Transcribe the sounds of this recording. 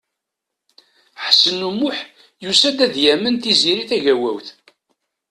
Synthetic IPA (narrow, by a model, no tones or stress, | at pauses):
ħsənːumːʊħ | jusæd̪æðjæmənθiziɾiθæʝæwæ̰wθ